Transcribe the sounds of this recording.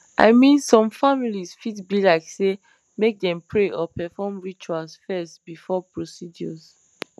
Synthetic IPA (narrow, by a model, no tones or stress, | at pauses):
ʔa̰ɪmĩnsɔ̃mfamilizfidbilaɪkse | mek̚dɛ̃mpʰɹeʔɔpɛfɔmɹit͡ʃualsfɛstbifɔpɹosid͡ʒɔz